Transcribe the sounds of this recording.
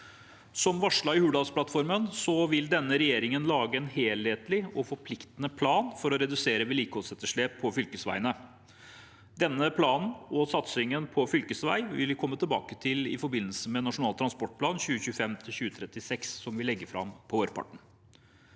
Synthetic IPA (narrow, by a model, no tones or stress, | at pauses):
sɔmʋɑʂɭɑːɪhʉːd̪ɑspʰlɑt̪fɔɾmənsɔʋɪld̪ɛnːəɾɛjeːɾɪŋənlɑːɡəɛnheːlheːt̪lɪɔfɔɾpʰlɪkt̪ənəpʰlɑːnfɔɾɔɾɛd̪ʉseːɾəʋɛliːkəhɔlsɛt̪ːəʂɭeːpʰːɔfʏlkəsʋæ̰ɪənə | d̪ɛnːəpʰlɑːnn̩ɔsɑt̪sɪŋənpʰɔfʏlkəsʋæ̰ɪʋɪ̰lkʰɔmːət̪ʰɪlbɑ̰ːkət̪ʰɪlɪ̰fɔɾbɪnːəlsəmɛnɑʂʊnɑːlt̪ʰːɾɑnspɔʈ̚pʰlɑːnɕʉːəçʉːfɛmt̪ʰɪlɕʉːət̪ʰɾɛt̪ːɪsɛkssɔmʋɪlɛɡːəfɾɑ̰mpʰɔoːɾpʰɑ̰ʈɳ̩